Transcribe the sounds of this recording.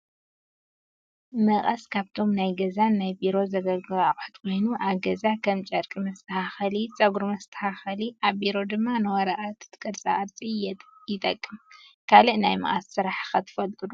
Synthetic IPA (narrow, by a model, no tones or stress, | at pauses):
mɐχʼɐskʰaβt̪ʰo̞mnajɡɐzanːajbiɾo̞zɐɡɐlɡɨβawħɨ̥t̪kʷʰo̞jnuʔaβɡɐzakʰɐmt͡ʃʼɐɾkʼɨmɐst̪ʰɐhaxɐlit͡sʼɐɡuɾmɐst̪ʰɐ̥haxɐliʔaβbiɾo̞d̪ɨmːanɨwɐɾɐʔat̪ʰɨ̥t̪ʰkʼɐɾt͡sʼa̰ʔɐɾt͡sʼiɛjɪt̪ʼɐ̰kʼːɨmkʰaliʔnajmɐ̰χʼassɨɾaħxɐt̪ʰɨ̥fɐlt̪ʼɨlu